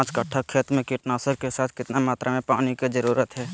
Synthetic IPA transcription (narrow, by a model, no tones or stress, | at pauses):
t͡ʃkəʈʰːakʰːeːt̪ɾmẽkɪʈnaːsəɾkesaːt̪ʰkɪt̪namaːt̪ɾʔamẽpaːnikid͡ʒəɾuːɾət̪ɦɛː